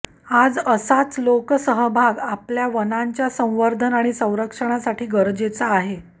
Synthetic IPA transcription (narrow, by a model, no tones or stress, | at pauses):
ad͡zəsat͡sloksəɦəbʱaɡapljaʋənaɲt͡ɕjasə̃w̃ʋəɾd̪ʱənaɽ̃isə̃w̃ɾəkʂəɽ̃asaʈʰiːɡəɾd͡zet͡saːɦe